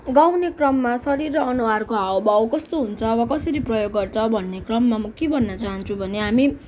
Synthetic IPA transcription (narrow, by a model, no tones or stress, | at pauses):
ɡawnekrʌmːasʌɾirʌʌnuwarkoɦaobawkʌst̪oɦunt͡sʰʌwakʌsʌɾiprʌjoɡːʌrt͡sʰʌbʱʌnːekrʌmːamʌkebʱʌnːʌt͡saɦʌnt͡sʰubʱʌneɦami